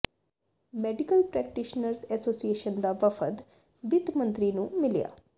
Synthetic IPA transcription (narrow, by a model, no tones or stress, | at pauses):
mɛːɖɪkəlpɾɛːk̚ʈiʃnəɾsɛːsoːsieːʃənd̪aːʋəfʰət̪ | bɪt̪mə̃nt̪ɾiːnũːmɪlija̰ː